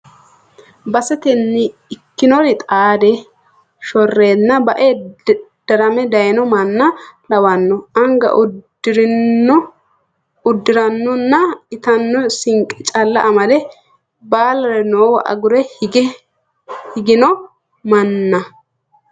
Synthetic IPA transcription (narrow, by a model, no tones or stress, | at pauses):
bɐsɛt̪ɛnːɪɪkːɪnɔɾɪt̪ʼaːd̪ɛ | ʃɔrːe̞ːd̪nɐbɐʔed̪̥ɐɾɐmɛd̪ɐjnɔmɐnːɐlɐwɐnːɔʔɐŋɡɐ̰ʔʊ̥ | ɪɾɪnɔ | ʊd̪ːɪɾɐnːɔnːɐɪt̪ɐnːɔsɪŋkʼɛt͡ʃʼɐlːɐ̰ʔːmɐlɛ | baːlɐɾɛno̞ːwɐ̰ʔɐ̰ɡʊɾɛɡɛ | hɪɡɪnɔ | mɐnːɐ